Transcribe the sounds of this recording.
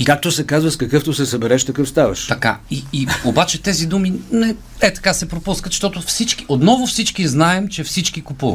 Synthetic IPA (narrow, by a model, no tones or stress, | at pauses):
ikak̚t̪osɛkazvəskɐkɤft̪osɛsɐbɛɾɛʃt̪ɐkɤfst̪avɐ̰ʃt̪ɐka̰iːobat͡ʃɛt̪ɛzid̪uminɛ | ɛt̪ɐ̥kasɛpɾopuskət̪ʃt̪ɔt̪ʊfsit͡ʃkiʔot̪nɔvʊfsit͡ʃkiznaɛmt͡ʃɛfsit͡ʃkikʊpuvɐ̰